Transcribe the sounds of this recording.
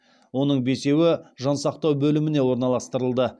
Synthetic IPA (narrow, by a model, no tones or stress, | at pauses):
wo̞nəɴbe̞se̞wɪʒɑnsɑqt̪ɑwbɵlɪmɪne̞wo̞ɾnɑlˠɑst̪əɾəlˠd̪ə